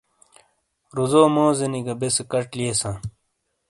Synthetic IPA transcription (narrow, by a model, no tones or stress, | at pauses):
ɾuzoːmoːzeniɡɐbesekɐʈliesãː